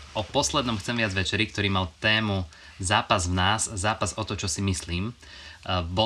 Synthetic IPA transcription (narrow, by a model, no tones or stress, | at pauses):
ʔɔpɔslɛd̪nɔmxt͡sɛmʋɪad͡zʋɛt͡ʃɛɾik̚t̪ɔɾiːmalt̪ɛːmu | zaːpazvnaːzzaːpazɔt̪ɔt͡ʃɔsimisliːm | bɔ